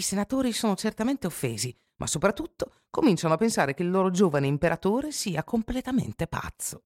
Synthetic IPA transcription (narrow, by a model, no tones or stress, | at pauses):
isenat̪oːɾisoːnot͡ʃert̪ament̪eofːḛːzi | mʔa̰sːopɾat̪ːut̪ːo | komint͡ʃanoapːensaːɾek̟eilːoːɾod͡ʒoːvaneimpeɾʔat̪oːɾesiːakomplet̪amḛnt̪epa̰t̪sːo